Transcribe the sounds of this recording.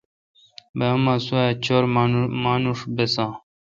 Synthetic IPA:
bemãːsuat͡ɕʰoɾmaːnuʂbesãː

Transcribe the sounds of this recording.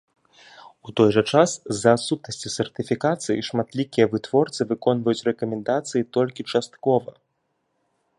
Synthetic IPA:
ut̪ɔjʐɐt͡ʂaszɐːt̪sut̪̚nɐsʲt͡sʲisɛrt̪ɨfʲikat̪sɨjḭʂmat̪lʲikʲijɐvɨt̪vɔrt̪sɨvɨkɔnvɐjut͡sʲrɛkɐmʲɛnd̪at̪sɨjit̪ɔlʲkʲit͡ʂast̪̚kɔvɐ

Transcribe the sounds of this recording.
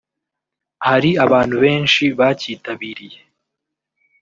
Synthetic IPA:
haɾiaβaːn̥huβe̞ːnʃiβaciːtaβiːɾije̞

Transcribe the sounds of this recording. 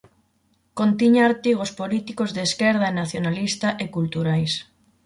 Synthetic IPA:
kont̪iɲaːɾt̪iɣospolit̪ikozðeːskɛɾð̞aenaθjonalist̪aʔekult̪uɾajs

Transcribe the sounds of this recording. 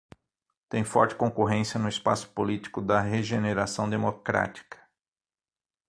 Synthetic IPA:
t̪ẽj̃fɔ̰ɾt͡ʃɪ̥kõkoɦẽsiɐnʊɪspa̰sʊ̥polit͡ʃi̥kʊd̪ɐɦeʒeneɾasɐ̃w̃d̪emokɾa̰t͡ʃi̥kɐ̥

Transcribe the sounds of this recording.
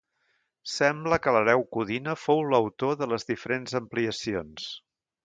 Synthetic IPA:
sɛmbləkələɾɛwkuðinəfowləwt̪oðələzðifəɾenzəmpliəsions

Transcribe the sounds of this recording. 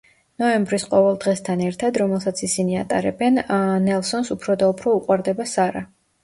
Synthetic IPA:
nɔɛmbɾisqʼɔvɛlˠd̪ʁɛst̪ʰanɛɾt̪ʰad̪ɾɔmɛlˠsat̪sʰisinia̰t̪ʼa̰ɾɛbɛnnɛlˠsɔnsupʰɾɔd̪aupʰɾɔuqʼwaɾd̪ɛbasaɾa

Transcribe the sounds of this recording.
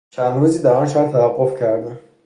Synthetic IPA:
t͡ʃʰænd̪ɾuːziːd̪æɾɒnʃɒæt̪ʰːævæɡːofcʰæɾd̪æm

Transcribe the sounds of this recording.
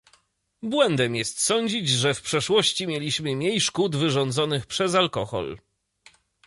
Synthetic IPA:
bwɛnd̪ɛmjɛst̪sɔɲd͡ʑid͡ʑʐɛfpʂɛʂwɔɕt͡ɕimʲjelʲiɕmɘmʲjejʂkud̪vɘʐɔnd̪zɔnɘxpʂɛzalkɔxɔ̰l

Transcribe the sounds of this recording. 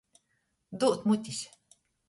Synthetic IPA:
d̪uʔt̪mut̪is

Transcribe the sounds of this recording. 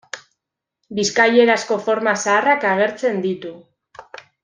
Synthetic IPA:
biskaje̞ɾasko̞fo̞ɾmasaːrakaɣ̞e̞ɾt͡se̞nd̪it̪u

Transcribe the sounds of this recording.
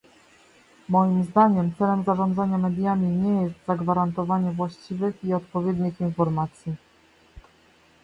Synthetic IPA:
mɔjimzd̪aɲɛmt̪sɛlɛmzaʐɔ̃nd̪zaɲamɛd̪jamʲiɲɛjɛst̪zaɡvaɾant̪ɔvaɲɛvwaɕt͡ɕivɘxiɔt̪pɔvʲjɛd̪ɲixinfɔɾmat̪sʲji

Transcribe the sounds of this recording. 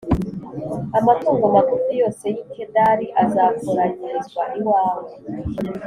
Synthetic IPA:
amatuːŋɡomakutijo̞ːse̞jitʰendaɾiʔazakoɾaɲiɾizwaʔiwaːβo

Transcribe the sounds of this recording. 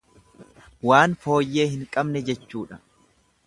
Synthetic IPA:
waːnfo̞ːjːe̞ːhɪŋkʼɐbnɛd͡ʒɛt͡ʃːuːᶑɐ

